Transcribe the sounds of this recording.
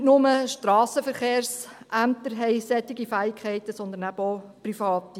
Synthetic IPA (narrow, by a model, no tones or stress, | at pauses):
nʊməʃtɾɑːsəfəɾχeːrs | ʔæmt̪əɾɦɛɪsɛt̪ːiɡifæːɪkχɛɪt̪əsɔnd̪ənæboprifɑːt̪i